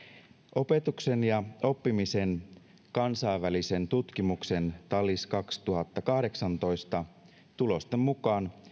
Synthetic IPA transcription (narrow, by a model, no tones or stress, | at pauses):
ʔo̞pe̞t̪ukse̞njɑo̞pːimise̞n | kɑnsɑiʋːælisent̪ut̪kimukse̞nt̪ɑlːiskɑkst̪uɦɑt̪ːɑkɑhde̞ksɑnt̪o̞jst̪ɑ | t̪ulo̞st̪emmukɑːn